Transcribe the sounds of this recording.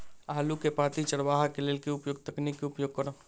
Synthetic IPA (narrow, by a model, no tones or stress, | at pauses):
aɦlukepaːt̪it͡ʃəɽʋaːɦakeleːlkiʊpjoːɡt̪əknikːiʊpjoːɡ̚kəɾõː